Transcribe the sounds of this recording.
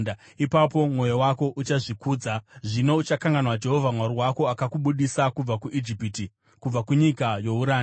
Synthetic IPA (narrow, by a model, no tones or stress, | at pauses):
a | ipapo̞mwo̞jowako̞ʔut͡ʃaʐikuːd͡zaʐino̞ut͡ʃakaŋɡanwad͡ʒe̞ɦo̞vʱamwaɾiwako̞akakuɓuɗisakub͡vakuʔid͡ʒipiti | kub͡vakuɲikajo̞uɾaːn